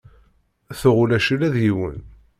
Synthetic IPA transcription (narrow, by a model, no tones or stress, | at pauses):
θʊʁʊlæʃilæðjiwə̰n